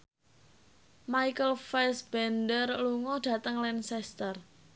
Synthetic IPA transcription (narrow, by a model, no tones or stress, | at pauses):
majkəlfɛsb̥ɛndərluŋɔd̥a̤t̪əŋlɛnsɛst̪ər